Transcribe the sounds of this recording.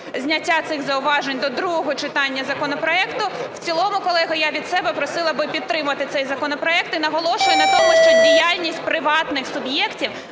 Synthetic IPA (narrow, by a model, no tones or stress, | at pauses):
zʲnʲɐtʲːat̪sɪɣzɐʊʋɑʒenʲd̪ɔd̪ɾuɦɔɦɔt͡ʃɪt̪ɑnʲːɐzɐkɔnɔpɾɔɛkt̪ʊw̥t͡sʲilˠɔmʊkɔlˠɛɦɐjaʋʲid̪sɛbɛpɾɔsɪlˠɐbɪpʲid̪t̪t̪ːɾɪmʊʋɐt̪ɪt̪sɛjzɐkɔnɔpɾɔɛk̚t̪inɐɦɔlˠɔʃʊjɛnɐt̪ɔmʊʃt͡ʃɔdʲijalʲnʲisʲtʲpɾɪʋɑt̪nɪxsʊbjɛktʲiw